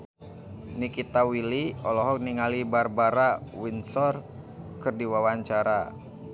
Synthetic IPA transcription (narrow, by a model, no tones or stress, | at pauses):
nikit̪awiliɔlɔɦɔk̚niŋalibarbaɾawinsɔr | kɨrdiwawaɲt͡ʃaɾa